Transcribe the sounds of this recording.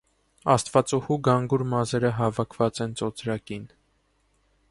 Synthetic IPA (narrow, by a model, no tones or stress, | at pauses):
ɑst̪vɑt͡suhuɡɑŋɡuɾmɑzɛɾəɦɑvɑkʰvɑt͡sɛnt͡sɔt͡sɾɑkin